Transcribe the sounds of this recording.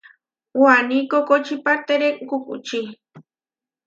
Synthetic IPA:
wanikokot͡ʃipaɾt̪eɾekkʊkṵt͡ʃi

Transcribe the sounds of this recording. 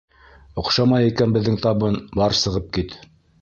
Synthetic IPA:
ŏqʃɑmɑjikænbɘ̆ðːɘŋt̪ɑβɤnbɑɾsɤ̆ʁɤp̚kit̪

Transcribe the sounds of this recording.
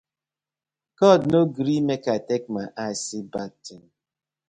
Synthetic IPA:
kɔdnoɡɾimekatek̚maʔasibatɔn

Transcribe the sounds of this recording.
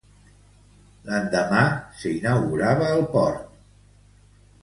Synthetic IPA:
lənd̪əmasəinəwɣuɾaβəːlˠpɔɾt̪

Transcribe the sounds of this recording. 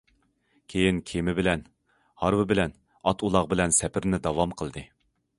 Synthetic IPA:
kʲʰejinkʲʰemɪbɪlɛn | hɑɾwɨbɪlɛn | ɑt̪ʰulˠɑʁbɪlɛnsɛpʰɪɾnɪd̪ɑwɑmqʰəlˠd̪ɨ

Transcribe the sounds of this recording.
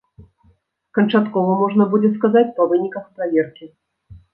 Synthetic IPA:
kənt͡ʂat̪kɔvəmoʐnəbudʲɪt̪skazatʲpɐvɨnʲikəxpɾɐvʲerkʲɪ

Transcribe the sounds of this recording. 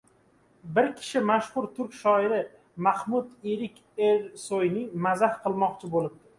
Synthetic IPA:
bɪɾkʲʰɪ̥ʃɪmaʃhʊɾt̪ʰʊɾkʲʃɒɪɾɪ | mahmʊd̪eɾɪkʲeɾsojnɪŋmazahqʰɨlˠmɒqt͡ʃʰɪbolɪb̚d̪ɪ

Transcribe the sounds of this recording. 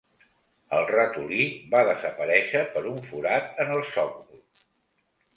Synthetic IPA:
əlˠrət̪ulibaðəzəpəɾɛʃəpəɾuɱfuɾat̪ənəlˠsɔk̚du

